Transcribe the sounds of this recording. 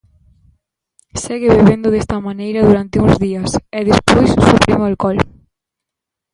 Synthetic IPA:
seɣɪβeβend̪ʊðest̪ɐmanejɾɐðuɾant̪ɪuŋzðiɐsɛðespojsusupɾimoalkɔl

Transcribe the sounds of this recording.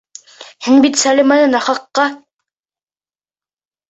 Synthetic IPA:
hɘŋbit̪sælʲimɑnɤnɑχɑqːɑ

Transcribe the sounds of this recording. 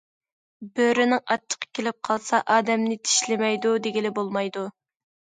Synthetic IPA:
bøɾynɪŋɑtt͡ʃʰːə̥qʰɑ̥kʲʰelɪp̚qʰɑlˠsɑʔɑːd̪ɛmnɪt̪ʰi̥ʃlɪmɛjd̪ud̪eɡʲilɪbolˠmɑjd̪u

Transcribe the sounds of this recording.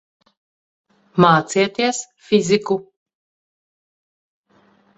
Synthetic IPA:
maːt̪siɛt̪iɛs | fizʲiku

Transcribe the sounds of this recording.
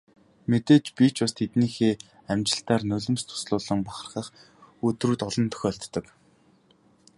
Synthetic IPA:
met̪eːt͡ɕpiːt͡ɕpast̪ʰet̪niːxeː | æmt͡ɕɪ̆ɬt̪aːrnɵɮɵ̆mst̪ʰʊ̥sɮʊːɮə̆ŋpaχə̆rχə̆χ | ɵt̪ruːt̪ɔɮɞ̆nt̪ʰœ̥xʲɔːɬt̪ːɞ̆k

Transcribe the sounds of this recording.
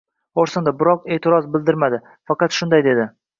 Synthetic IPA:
oɾsɪnd̪abɪɾɒqe̞ːt̪ʰɪɾɒzbɪld̪ɪɾmad̪ɪ | fɑqɑt̪ʃʊnd̪ajd̪e̞d̪ɪ

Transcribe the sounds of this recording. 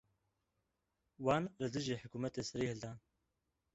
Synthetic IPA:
waːnlɨd̪ɨʒiːħʊkuːmɛt̪esɐɾiːhɨld̪aːn

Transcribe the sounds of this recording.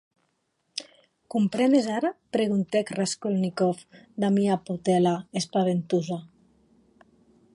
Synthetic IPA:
kumpɾɛnezaɾapɾeɣunt̪ekraskolnikɔfd̪amiaput̪ɛlaespaβent̪uza

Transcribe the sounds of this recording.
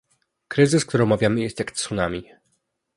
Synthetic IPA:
kɾɘzɘsk̚t̪uɾɔmavʲjamɘjɛst̪jakt̪sunamʲi

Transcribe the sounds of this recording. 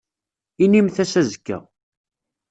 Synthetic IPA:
inimθæsæzəkːæ̰

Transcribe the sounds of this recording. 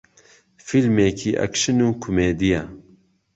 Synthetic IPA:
filmeːkʰiːʔɐ̰kʃɨnuːkʰumeːd̪ija

